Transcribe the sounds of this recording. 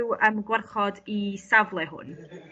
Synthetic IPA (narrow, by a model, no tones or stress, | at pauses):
wəmɡwɛrχɔdisavlˠɛɦʊ̰n